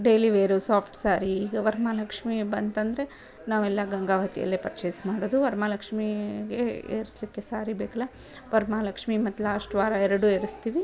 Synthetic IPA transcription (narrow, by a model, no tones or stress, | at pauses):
ɖeːliʋeːɾoːsaːpʰʈsaːɾiːɡɐʋɐɾmaːlɐkʂmibɐnt̪ɐnd̪ɾe | naːʋɛlːɐɡɐŋɡaːʋɐt̪ijɐ̰lːepɐɾt͡ʃejsmaːɽoːd̪uʋɐɾmaːlɐkʂmiɡeḛːɾislikːesaːɾibeːkɐlːa | ʋɐɾmaːlɐkʂmimɐt̪ːlaːsʈʋaːɾɐɛɾɐɽueːɾist̪iːʋi